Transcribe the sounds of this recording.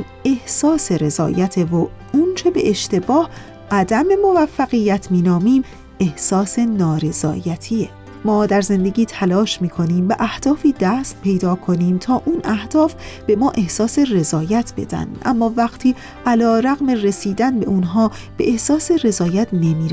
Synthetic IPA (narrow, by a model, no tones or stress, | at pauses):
e̞hsɒːse̞ɾe̞zɒ̰ːjæt̪ʰevo | unt͡ʃʰe̞be̞ʔeʃt̪e̞bɒːh | ʔæd̪æme̞mo̞væfːæɣijæt̪ʰmiːnɒːmiːm | e̞hsɒːse̞nɒːɾe̞z̥ɒ̰ːjæt̪ʰiːe | mɒːd̪æɾze̞nd̪e̞ɡiːt̪ʰælɒːʃmiːkʰo̞niːmbeʔæhd̪̥ɒːfiːd̪æst̪̚pʰe̞jd̪ɒːkʰo̞niːmt̪ʰɒːʔuːnæhd̪̥ɒːfb̥e̞mɒːʔe̞hsɒːse̞re̞zɒːjæt̪ʰb̥e̞̰d̪̥æ̰nd̪̥ʔæ̰mːɒːvæɣ̥t̪ʰiː | ʔælɒːɾæɣmere̞siːd̪ænbe̞ʔunɦɒː | b̥eʔehsɒːse̞re̞zɒːjæt̪ʰne̞miːɾ